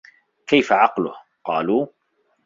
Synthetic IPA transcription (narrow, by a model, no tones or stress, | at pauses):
kajfaʕɑqlʊh | qɑːluː